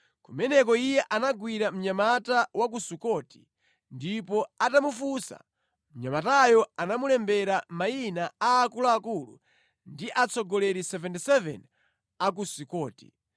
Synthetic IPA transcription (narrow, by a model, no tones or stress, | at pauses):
kumɛnɛk̬ɔijɛʔanaɡwiɾam̩ɲamatawak̬usikɔti̥ | ndipɔatamufusa̰ | m̩ɲamatajɔanamulɛmbɛɾamainaaːkulaakulṵ | ndiʔat͡sɔɡɔlɛɾisɛvɛntisɛvɛ̰n | ak̬usikɔːti̥̰